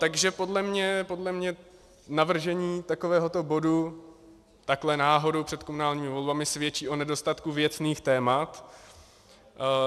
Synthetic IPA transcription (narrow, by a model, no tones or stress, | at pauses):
t̪aɡʒɛpo̞dlɛmɲɛpo̞dlɛmɲɛ | navr̩ʒɛɲiːt̪akovɛːɦo̞t̪o̞bo̞du | t̪aklɛnaːɦo̞dowpr̥ɛt̪komunaːlɲiːmɪvo̞lbamɪsvjɛt͡ʃiːʔo̞nɛdo̞st̪at̪kuvjɛt͡sniːxt̪ɛːmat̪